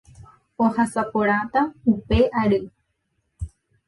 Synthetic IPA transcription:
ohasapoɾ̃at̪aupeʔaɾɨ

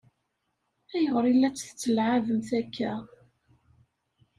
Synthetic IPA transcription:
æjəʁɾilːæt͡sːθə̥t͡sːəlʕavəmθækːæ

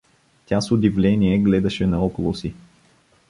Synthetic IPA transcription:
t̪ʲasʊd̪ivlʲɛniɛɡlɛd̪ɐʃɛnɐɔkʊlˠosi

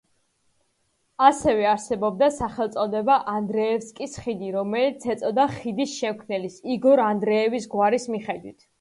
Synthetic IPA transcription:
asɛvɛaɾsɛbɔb̚d̪asaχɛlˠt̪sʼɔd̪ɛbaʔand̪ɾɛːfskʼisχid̪iɾɔmɛlit̪sʰɛt̪sʼɔd̪aχid̪isʃɛmkʰmnɛlisiɡɔɾand̪ɾɛːvisɡwaɾismiχɛd̪wit̪ʰ

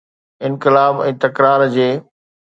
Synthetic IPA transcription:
ɪnkɪlaːbɛ̃ːt̪ɐkɾaːɾd͡ʑeː

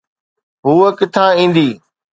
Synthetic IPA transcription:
ɦuːəkɪt̪ʰãːĩːnd̪iː

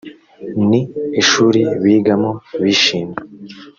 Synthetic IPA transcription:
niːʃuːɾiβiːɡamoβiːʃiːme

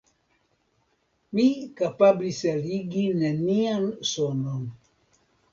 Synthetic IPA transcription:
mikapabliseliɡineniansɔnɔn

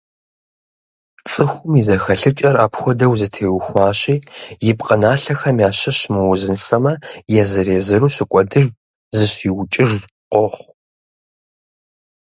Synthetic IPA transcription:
t͡sʼɨxʷʊmizɐxɐɬɨt͡ʃʼɐraːpxʷɔdɐwzɨtʰeːwʊxʷɑːɕʼiːjɪpqʼənaːɬɐxɐmjaːɕɐɕmɨwʊzɨnɬɐmɐjɛzɨɾeːzɨɾuːɕɪkʷʼɔdɨʒ | zɨɕiːwʊt͡ʃʼɪʒ | qʷɔχʷ

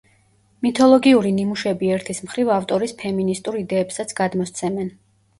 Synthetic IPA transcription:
mit̪ʰɔlˠɔɡiuɾinimuʃɛbiɛɾt̪ʰismχɾivaft̪ʼɔɾispʰɛminist̪ʼuɾid̪ɛːpsat̪sʰɡ̥ad̪mɔst̪sʰɛmɛn

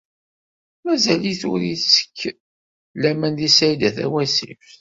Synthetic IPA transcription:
mæzæliθʊ̰ɾisə̥kː | læmænðisæjd̪æθæ̰wæsḭf

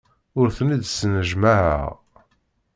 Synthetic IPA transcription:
ʊɾθnid̪snəʒmaʕə̰ʁ

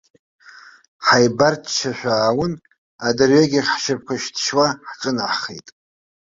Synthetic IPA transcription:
ħajbartʰt͡ʃʰaʃᶣʷaːwʊn | adarɥaɡʲiħʃap̚ʰkʷʰaʃtʰʃwaħt͡sʼɨnaħχḛjtʼ

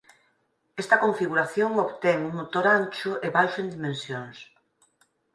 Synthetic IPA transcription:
est̪ɐkoɱfiɣuɾaθjoŋoβt̪ɛŋuŋmot̪oɾanʲt͡ʃʊʔeβajʃʊend̪imẽnsjoŋs

